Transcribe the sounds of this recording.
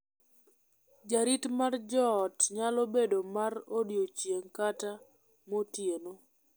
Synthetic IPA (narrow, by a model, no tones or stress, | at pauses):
d͡ʒaɾitmard͡ʒɔːtɲalɔbedomarodjot͡ʃjeŋkata | motjeno